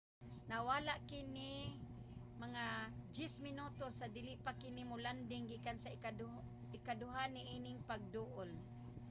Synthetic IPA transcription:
nawalaʔkɪnɪ | maŋad͡ʒɪsmɪnut̪osad̪ɪlɪʔpakɪnimʊland̪ɪŋɡiːkansa | ɪkadʊɦaniʔinɪŋpaɡ̚d̪uʔʊl

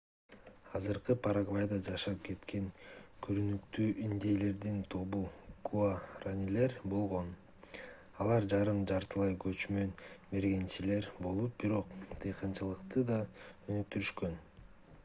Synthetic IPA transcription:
ɑzɯɾqɯpʰaɾaɡvajd̪ɑd͡ʒɑʃɑp̚ke̞t̪ke̞ŋkʰyɾynykt̪yːʔind̪ejle̞ɾd̪int̪ʰo̞βukuaranʲile̞ɾbo̞lˠʁo̞n | ɑlˠɑɾd͡ʒɑɾɯmd͡ʒɑɾt̪ɯlˠɑjkø̞t͡ʃmø̞nbe̞ɾɡe̞nt͡ʃile̞ɾbo̞lˠup̚biɾo̞qt̪ʰɯjqɯnt͡ʃɯlˠɯqt̪ɯd̪ɑønyk̚t̪yɾyʃkø̞n

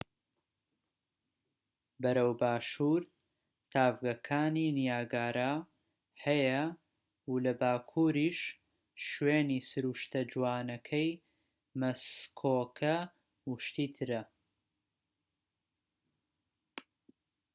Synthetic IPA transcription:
bɐɾɐwbaːʃuːɾ | t̪ʰaːvɡɐkʰaːniːnijaːɡaːɾa | hɐjɐ | ulɐbaːkʰuːɾiːʃ | ʃweːniːsɨɾuʃt̪ɐd͡ʒwaːnɐkʰɐj | mɐskʰoːkʰɐ | wuʃt̪iːt̪ʰɨɾɐ

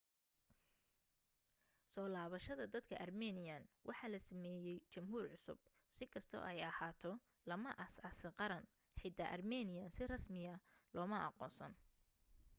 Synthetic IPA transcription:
sɔːlaːβɐʃɐðɐd̪ɐd̪kʰɐ̰ʔɐrmɛːnɪjɐnwʔɑħɑːlɐsɐmɛːjɛjt͡ʃɐmɦuːrʕʊsʊ̰b̚ | sɪkʰɐst̪ʰɔ̰ʔɛjɐhaːt̪ʰɔ | lɐmɐʔɐsɐsɪqɑɾɐn | ħɪd̪ɐʔɐrmɛːnɪjɐnsɪrɐsmɪjɐlɔːmɐʔɑ̰qɔːnsɐn

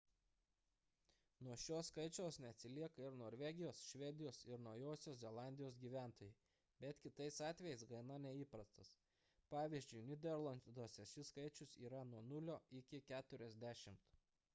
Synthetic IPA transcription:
nuɔʃʲoːsːkɐɪt͡ʃʲoːsnʲɛɐt̪ʲsʲɪlʲiɛkɐɪɾnoːɾʲʋʲɛɡʲɪjoːsʃʲʋʲɛd̪ʲɪjoːsɪɾnɒʊjoːsʲoːszʲɛlˠɑˑnʲd̪ʲɪjoːsɡʲiːʋʲæˑnt̪oːjɛɪ | bʲɛt̪kʲɪt̪ɐɪsɑːt̪ʲʋʲɛjɛɪsɡɐɪnɐnʲɛiːpɾɐst̪ɐs | pɑːʋʲiːzʲd͡ʒʲʊɪnʲɪd̪ʲɛɾlˠɐnd̪oɔsʲɛʃʲɪskɐɪt͡ʃʲʊsḭːɾɐnuɔnʊlʲoːɪkʲɪkʲæːt̪ʊɾʲɛzʲd̪ʲæːʃʲɪmt̪

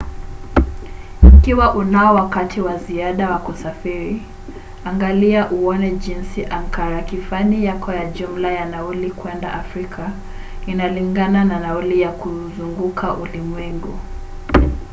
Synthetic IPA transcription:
ikiwaʔunaɔwakatʰiwaziaɗawakusafiɾi | aŋɡaliaʔuɔnɛʄinsiʔaŋkaɾakifanijakɔjaʄum̩lajanaulikwɛndaʔafɾikʰa | inaliŋɡanananaulijakuzuŋɡukʰaʔulimwɛŋɡu

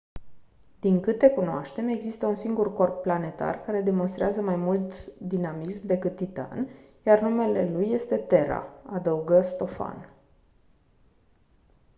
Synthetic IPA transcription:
d̪iŋkɨt̪e̞kunoa̰ʃt̪e̞me̞ɡzist̪əunsiŋɡurko̞rpːlane̞t̪a̰rkaɾe̞d̪e̞mo̞nst̪ɾeazəmajmult̪d̪inamismd̪e̞kɨt̪̚ːit̪a̰njarnume̞le̞lujːe̞st̪e̞t̪e̞ɾa̰ad̪əuɡəst̪o̞fa̰n

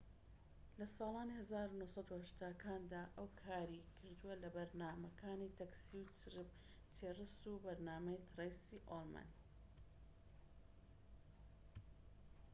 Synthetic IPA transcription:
lɐsɑːlˠɑːnihɐzaːɾunuhsˤɑd̪uhɐʃt̪aːkʰaːnd̪aːʔɐwkʰaːɾikʰɨɾd̪uwɐlɐbɐɾnaːmɐkʰaːniːt̪ʰɐksiwt | t̪ʰeːrɨsubɐɾnaːmɐjt̪ʰrejsiʔolma̰n

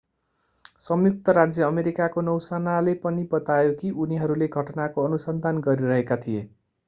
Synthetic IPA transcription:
sʌmjuk̚t̪ʌɾad͡zjʌːmeɾikakonʌwsanalepʌnibʌt̪ajokiʔuniɦʌɾuleɡʱʌʈʌnakoʌnusʌnd̪ʱanɡʌɾiɾʌɦekat̪ʰie

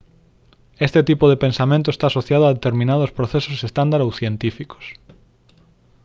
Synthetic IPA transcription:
est̪et̪ipoðepẽnsamẽnt̪oest̪aːsoθjað̞oaðet̪eɾmĩnaðospɾoθesosest̪and̪aɾowθjent̪ifiko̥s

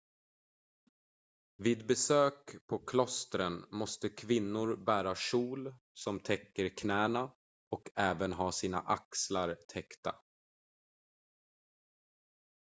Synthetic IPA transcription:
viːd̪bɛsøːkpʰɔkʰlɔst̪ɾənmɔst̪əkʰvɪnːʊɾbæːɾaʂuːl | sɔmt̪ʰɛkːəɾkʰnæːna | ɔkɛːvənɦɑːsiːna̰ʔakslaɾt̪ʰɛkt̪a̰

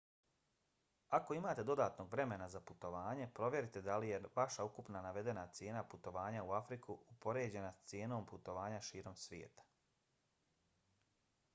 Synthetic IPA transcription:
ako̞imaːt̪e̞d̪o̞d̪aːt̪no̞ːɡʋɾe̞me̞nazaput̪o̞ʋaːɲe̞pɾo̞ʋje̞ɾit̪ed̪alijeʋaʃaukupnanaʋe̞d̪e̞nat̪sje̞ːnaput̪o̞ʋaːɲauafɾikʰuupo̞ɾe̞ːd͡ʑe̞nast̪sje̞ːno̞ːmput̪o̞ʋaːɲaʃiːɾo̞msʋʲjḛːt̪ḁ

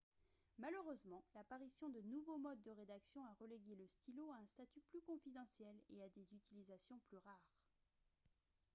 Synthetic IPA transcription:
maləʁøzmɑ̃lapaʁisjɔ̃d̪ənuvomɔd̪̚ːəʁed̪aksjɔ̃aʁəleɡʲeləst̪iloaɛ̃st̪at̪yplykɔ̃fid̪ɑ̃sjɛlead̪ezyt̪ilizasjɔ̃plyʁaːʁ

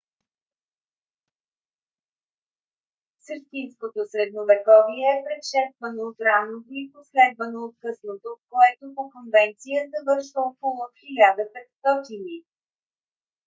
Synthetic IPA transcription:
səɾt̪inskot̪osɾɛd̪novɛkɔviɛːpɾɛt̪ʃɛst̪vənoot̪ɾanot̪oiposlɛd̪vənoːt̪kɤsnot̪okoɛt̪opokonvɛnt̪sijət̪ɐvɤɾʃvəpolˠot̪xilʲad̪əpɛt̪st̪ɔt̪ini

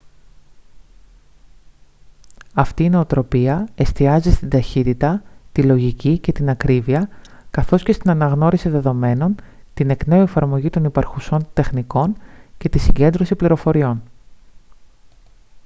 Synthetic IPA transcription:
ɐft̪iːno̞ːt̪ɾo̞piɐe̞st̪iɐzist̪ind̪ɐçit̪it̪ɐt̪ilo̞ʝicice̞t̪inɐkɾiviɐkɐθo̞sce̞st̪inɐnɐɣno̞ɾisiðe̞ðo̞me̞no̞n | t̪ine̞kne̞ue̞fɐɾmo̞ʝit̪o̞nipɐɾxuso̞nt̪e̞xniko̞nce̞t̪isiɲɟe̞nd̪ɾo̞sipliɾo̞fo̞ɾio̞n

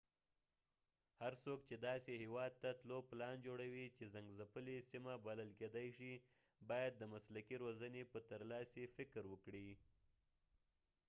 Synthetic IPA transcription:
haɾsokt͡ʃed̪ɑsehewɑd̪̚t̪at̪loplɑnd͡ʒoɽawit͡ʃezaŋɡzapəlesimabaləlked̪ajʃi | bɑjad̪ːəmaslakiɾwozənepət̪əɾlɑsefɪkɾwəkɽi

